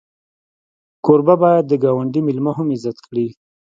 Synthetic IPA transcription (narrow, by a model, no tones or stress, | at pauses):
koɾbabɑjad̪̚ːəɡɑwaɳɖimɪlmaɦamɪzat̪kɽi